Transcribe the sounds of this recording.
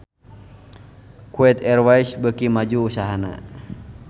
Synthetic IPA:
kuɛt̪ɛrwaisbəkimad͡ʒuːsaɦana̰

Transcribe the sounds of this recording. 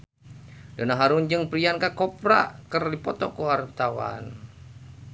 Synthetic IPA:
dənaɦaɾund͡ʒɨŋpɾiankakɔpɾa̰kərdipɔt̪ɔkuart̪awa̰n

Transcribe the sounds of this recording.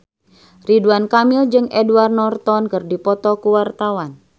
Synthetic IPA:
riduankamild͡ʒɨŋɛduarnɔrt̪ɔnkɨrdipɔt̪ɔkuwart̪awan

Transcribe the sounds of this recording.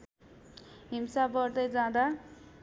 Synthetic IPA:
ɦimsabʌrd̪ʌjd͡zãd̪a

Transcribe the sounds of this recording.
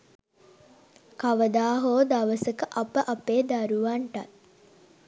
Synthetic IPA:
kaʋəd̪aːɦoːd̪aʋəsəkəʔɐpəʔɐpeːd̪aɾuʋaɳʈat̪

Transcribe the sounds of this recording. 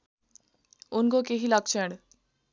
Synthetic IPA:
unkokeɦilʌkt͡ʃʰɛ̃ɽ

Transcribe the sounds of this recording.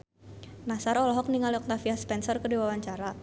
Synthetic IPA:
nasarɔlɔɦɔk̚niŋaliɔk̚t̪afiaspɛnsɔrkədiwawaɲt͡ʃaɾa

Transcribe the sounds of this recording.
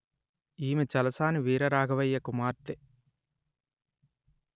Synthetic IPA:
iːmet͡ʃɐlɐsaːniʋiːɾɐɾaːɡʱɐʋɐjːɐkumaːɾt̪e

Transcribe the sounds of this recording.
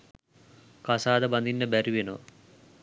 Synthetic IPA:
kasaːd̪əband̪inːəbæɾiʋenoʋɐ̰

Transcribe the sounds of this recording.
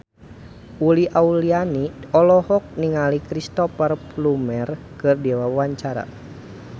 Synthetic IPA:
ʔuliʔaulianiɔlɔhɔk̚niŋalikɾist̪ɔfərplumɛr | kɨrdɛwawaɲt͡ʃaɾa̰

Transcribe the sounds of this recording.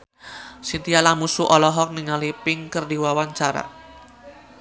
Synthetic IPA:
sint̪ijalamusuʔɔlɔɦɔk̚niŋalipɪŋkərdiwawaɲt͡ʃaɾa̰

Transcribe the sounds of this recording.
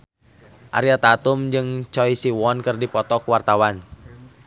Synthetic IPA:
ʔa̰ɾiat̪at̪umd͡ʒɨŋt͡ʃɔisiwɔnkɨrdipɔt̪ɔkwart̪awan

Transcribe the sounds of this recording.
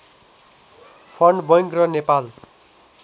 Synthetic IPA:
pʰʌɳɖbʌjŋkrʌnepal

